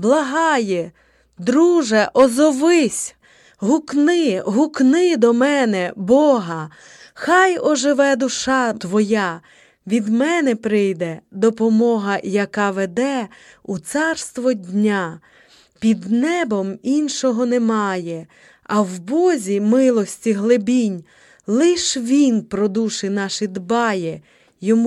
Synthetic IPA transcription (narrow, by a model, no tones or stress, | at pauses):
blˠɐɦɑjɛ | d̪ɾuʒɛʔɔzɔʋɪsʲ | ɦuknɪɦuknɪd̪ɔmɛnɛbɔɦɐ | xɑjɔʒɪʋɛd̪ʊʃɑt̪ʋɔja | ʋʲid̪mɛnɛpɾɪjd̪ɛd̪ɔpɔmɔɦɐjɐkɑʋed̪ɛ | ut̪sɑrst̪ʋɔdʲnʲa | pʲid̪nɛbɔminʃɔɦɔnɛmɑjɛ | ɐwbɔzʲimɪlˠɔsʲtʲiɦlˠɪbʲinʲ | lˠɪʃʋʲinpɾɔd̪uʃɪnɑʃɪd̪bɑjɛ | jɔmu